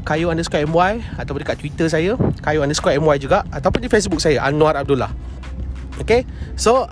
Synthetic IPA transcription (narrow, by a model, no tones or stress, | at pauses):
kajuandəskapɛmwaj | at̪awpʊndəkaʔt̪wit̪əs̬ajəkajuandəskwaɛmwajd͡ʒuɡaʔat̪awpʊndifes̬buk̚sajaʔa̰nw̃aɾab̚dula̰h | oke | so